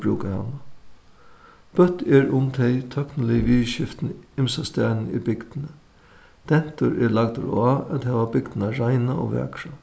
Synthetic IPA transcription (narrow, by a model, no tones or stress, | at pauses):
bɾuːkahɑ̰na | b̥œt̪ːɛɹʊmt̪ʰɛjt̪ʰœknəlɪʋiːʃɪft̪nɪmsast̪æːnn̩ḭbɪɡd̪ɪnə | d̪̥ɛn̥t̪ʊɾɛɹlaɡ̚d̪̰ɾaæt̪hɛːʋabɪɡd̪naɾaɪnaʔo̰ʋɛ̰ːkɾa